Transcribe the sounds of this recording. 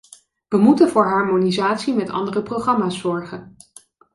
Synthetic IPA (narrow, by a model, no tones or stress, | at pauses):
ʋəmutənvɔːɹɦɑɹmonizaːtsimɛtɑ̰ndərəproχɑmaːsːɔɹχən